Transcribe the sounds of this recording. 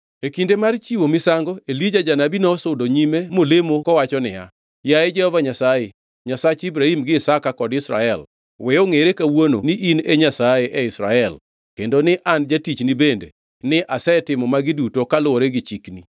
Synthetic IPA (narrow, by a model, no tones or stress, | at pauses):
ekindemart͡ʃiwomɪsaŋɡɔelid͡ʒad͡ʒanabinɔsʊdoɲimemolemokɔwat͡ʃɔnɪ̰ja̰ | jaɛd͡ʒɛhɔvaɲasaje | ɲasat͡ʃibɾahimɡɪːsakakɔdɪsɾa̰ɛl | wɛoŋeɾekawono̰nɪʔineɲasajeʔɛɪsɾa̰ɛl | kendonɪʔand͡ʒatit͡ʃnibende | nɪʔasɛtɪmɔmaɡɪdutokalʊoɾeɡɪt͡ʃikni